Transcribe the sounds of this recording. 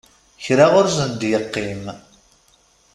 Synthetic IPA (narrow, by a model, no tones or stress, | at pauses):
çɾaʁʊɾzənd̪jəqːim